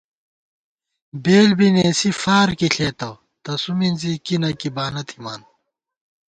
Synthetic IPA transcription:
beːlbineːsifaːɾkiɬeːt̪ɐw | t̪ɐsuminzikinɐkibaːnɐt̪ʰimaːn

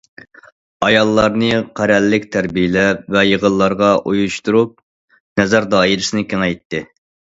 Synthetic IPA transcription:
ɑjɑlˠːɑɾnɨqʰæɾɛlːɪkʲt̪ʰæɾbijɪlɛvɛjəʁəlˠːɑɾʁɑʔujuʃt̪uɾup̚ | nɛzɛɾd̪ɑːiɾɪsɪnɪkʲʰeŋɛjt̪ːɪ

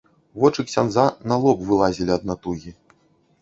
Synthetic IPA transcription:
vɔt͡ʂɨksʲanzanɐlˠɔpvɨlˠazʲilʲiɐd̪̚nat̪uɣʲi

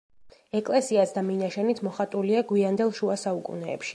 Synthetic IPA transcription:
ɛkʼlɛsiasd̪aminaʃɛnit̪ʰmɔχat̪ʼuliaɡwiand̪ɛlˠʃuasaukʼṵnɛːpʃi̥

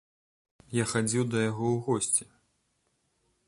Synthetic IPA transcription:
jaxad͡zʲiwd̪ɐjaɣɔwɣɔsʲt͡sʲi

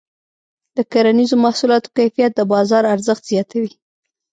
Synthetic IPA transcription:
d̪̥əkaɾanizomahsulɑt̪o̥kajfijat̪̚d̪əbɑzɑɾaɾzəxt̪z̥jɑt̪awi

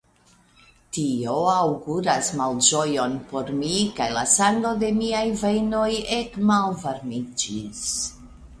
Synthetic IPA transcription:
tio̞awɡuɾasmald͡ʒo̞jo̞npo̞ɾmikajlasaŋɡlo̞de̞miajvejno̞jekmalvaɾmid͡ʒis

